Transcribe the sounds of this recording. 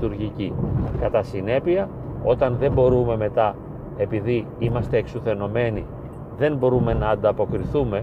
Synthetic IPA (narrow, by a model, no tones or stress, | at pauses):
t̪uɾʝicikɐt̪ɐsine̞piɐ | o̞t̪ɐnðe̞mbo̞ɾume̞me̞t̪ɐ | e̞piði | imɐst̪e̞ːksuθe̞no̞me̞ni | ðe̞nbo̞ɾume̞nɐːnd̪ɐpo̞kɾiθume̞